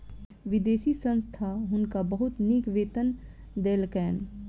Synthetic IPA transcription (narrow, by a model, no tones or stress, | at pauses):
ʋɪd̪eːsisə̃nst̪ʰaɦʊnkabəɦʊt̪nikʋeːt̪ən | d̪eːlkɛːn